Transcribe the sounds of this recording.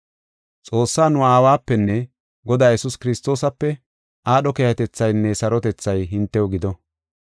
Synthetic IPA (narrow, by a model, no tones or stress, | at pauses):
t͡sʼo̞ːsːaːnʊaːwaːpːɛnːɛ | ɡɔd̪aːjɛsʊskɪɾɪst̪o̞ːsɐpːɛ | ʔaːɗɔkejɐt̪ɛt͡sːɐjnːɛsɐɾɔt̪ɛt͡sːɐjɦɪnt̪ːɛʊɡɪd̪ɔ